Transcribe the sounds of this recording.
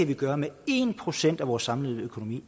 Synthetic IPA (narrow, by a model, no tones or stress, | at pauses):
æʋiɡ̥ɶːɐmee̝ːnpʰʁo̝sen̰d̥æʋɒːsːɑ̈mlið̩ˠøkʰo̝no̝mḭː